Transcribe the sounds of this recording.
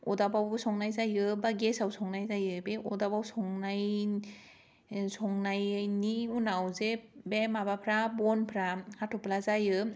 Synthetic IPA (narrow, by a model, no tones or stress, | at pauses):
ɔdabawsɔŋnajzajɯbaɡesawsɔŋnajzajɯbeʔɔdabawsɔŋnaj | sɔŋnajniunawzebemabapʰɾabɔnpʰɾahatʰɔplazajɯ